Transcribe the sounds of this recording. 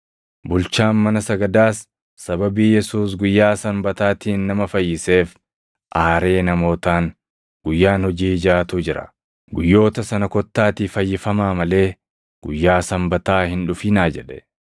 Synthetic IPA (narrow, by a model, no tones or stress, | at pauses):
bʊlt͡ʃaːnmɐnɐsɐɡɐd̪aːsː | ɐbɐbiːjɛsuːs̬ɡʊjːaːsɐmbɐt̪aːt̪iːnːɐmɐfɐjːɪse̞ːf | ʔaːɾe̞ːnɐmo̞ːt̪aːŋ | ɡ̥ʊjːaːnhɔd͡ʒiːd͡ʒaːt̪uːd͡ʒɪɾɐ̰ | ɡʊjːo̞ːt̪ɐsɐnɐkɔt̪ːaːt̪iːfɐjːɪfɐmaːmɐle̞ː | ɡ̥ʊjːaːsɐmbɐt̪aːhɪnᶑʊfiːnaːd͡ʒɛᶑɛ̥